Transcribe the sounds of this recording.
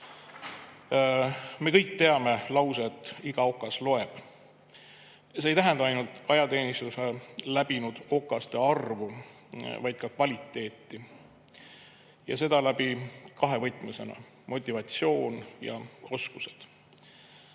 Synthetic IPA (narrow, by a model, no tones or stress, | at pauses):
me̞kɤjk̚t̪e̞ɑme̞lɑwset̪ːˑiɡ̥ɑo̞kːˑɑslo̞e̞b̥ | seːjt̪æɦɛnd̪ɑɑjnult̪ˑɑjɑt̪e̞ːnist̪uselæbinud̪̥o̞kːˑɑst̪e̞ɑrvu | vɑjd̪̥̚kɑkvɑlʲit̪ːˑe̞ːt̪ːˑi | jɑ̰se̞d̪̥ɑlæbikɑɦevɤjt̪ːˑmuse̞nɑ̰ | mo̞t̪ʲːˑivɑt̪sio̞ːnjɑ̰o̞skuse̞̥d̪̥